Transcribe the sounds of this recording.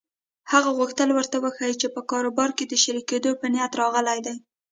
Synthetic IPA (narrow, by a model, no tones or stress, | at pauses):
haɣaɣuxt̪əlwəɾt̪awəxajt͡ʃepəkɑɾobɑɾked̪əʃaɾiked̪opənjat̪ɾɑɣəlajd̪aj